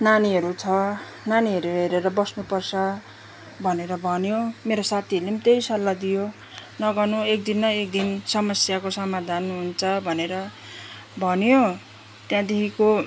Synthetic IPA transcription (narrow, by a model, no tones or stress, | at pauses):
naniɦʌɾut͡sʰʌ | naniɦʌɾuɦeɾeɾʌbʌsnupʌrsʰʌ | bʱʌneɾʌbʱʌnjomeɾosat̪ʰiʌulemt̪ejsʌlːad̪ijo | nʌɡʌnuek̚d̪inːʌek̚d̪insʌmʌsjakosʌmad̪ʱanɦunt͡sʰʌbʱʌneɾʌ | bʱʌnjo | t̪jãd̪ekʰiko